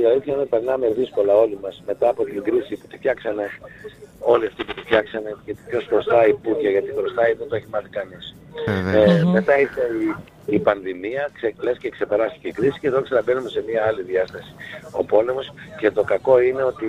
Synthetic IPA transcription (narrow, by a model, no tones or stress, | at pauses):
iɐlit̪çɐinepeɾnɐme̞ðisko̞lɐo̞limɐsme̞t̪ɐːpo̞t̪iŋɡɾisiput̪ifçɐksɐne̞ | o̞liɐft̪iput̪ifçɐksɐne̞cet̪ipço̞skost̪ɐipucɐʝɐt̪iɣɾost̪ɐiðot̪oeçimɐθikɐnis | me̞t̪ɐiseː | pɐnðimiɐkseklescekse̞peɾɐst̪iceikɾisi̥ceðoksenɐbe̞numese̞miɐɐliðiɐst̪ɐsi̥o̞̰po̞lemo̞sce̞t̪o̞kɐko̞ine̞o̞t̪i